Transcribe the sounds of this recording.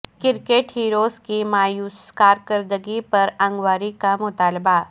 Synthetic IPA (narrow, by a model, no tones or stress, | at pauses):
kɪɾkeʈɦiːɾoːskimaːjuːskaːɾkəɾd̪əɡipɐɾɐ̃ŋɡwaːɾikamʊt̪aːlba